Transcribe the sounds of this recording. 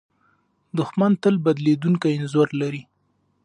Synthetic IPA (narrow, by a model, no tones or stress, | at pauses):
d̪ʊxmant̪əlbad̪led̪uŋkajɪnzoɾlaɾi